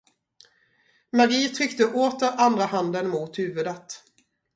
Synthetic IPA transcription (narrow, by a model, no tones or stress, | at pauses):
maɡiːt̪ʰɾʏkt̪əʔoːt̪əɾand̪ɾahand̪ənmuːt̪hʉ̟ːvɵd̪ət̪